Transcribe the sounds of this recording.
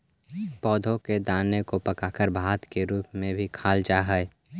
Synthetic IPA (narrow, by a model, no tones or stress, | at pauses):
pɔːd̪ʱõked̪aːnekopɐkaːkəɾbʱaːt̪keɾuːpmẽbʱikʰaːld͡ʒaːɦɛɛ